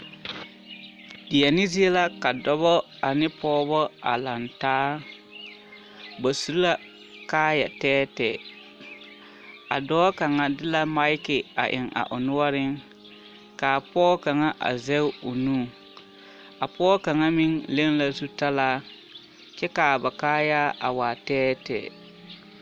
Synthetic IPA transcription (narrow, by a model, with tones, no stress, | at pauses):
dɪ˨ja˨nɪ˦zi˦e˦la˦ka˨dɔ˦βɔ˦ | a˨nɪ˦pɔː˦bɔ˦a̰˨la˨ntaː˦ | ba˨su˨ɾi˦la˦ | kaː˦ja˨tɛː˦tɛ˨ | a̰˨dɔː˦ka˨ŋa˨dɪ˦la˦ma˦ɪ˦kɪ˨a̰˨ʔɪ̰˨ŋa̰˨ʔʊ˨nʊ˦ɔ˦ɾɪ˦ŋ | kaː˨pɔː˦ka˨ŋa˦ʔa̰˨zɛ˦ʊ˦ʊ˨nuː˦˨ | a˨pɔː˦ka˨ŋa˦mɪ˦ŋle˦ŋla˦zu˦ta˦laː˦ | t͡ʃɛ˦kaː˨ba˨kaː˦ja˦ʔa̰˨waː˨tɛː˦tɛ̰ː˨